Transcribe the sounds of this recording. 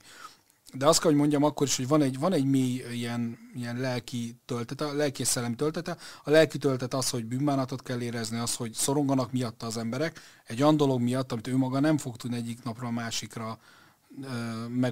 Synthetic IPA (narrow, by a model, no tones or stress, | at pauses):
d̪ɛɒst̪kɛlɦoɟmo̞ɲɟɒmɒkːo̞ɾiʃho̞ɟvɒnɛɟvɒnɛɟmeːjijɛnijɛnlɛlkit̪ølt̪ɛt̪ɛlɛlkiɛsɛlːɛmit̪ølt̪ɛt̪ɛɒlɛlkit̪ølt̪ɛt̪ɒsho̞ɟbyːmaːnɒt̪o̞t̪kɛlːeːɾɛzniɒsho̞ɟso̞ɾo̞ŋɡonɒkmijɒt̪ːɒːzɛmbɛɾɛk | ɛɟojɒnd̪o̞lo̞ɡmijɒt̪ːɒmit̪øːmɒɡɒnɛɱfo̞k̚t̪ud̪niɛɟːiknɒprɒːmaːʃikrɒː | mɛ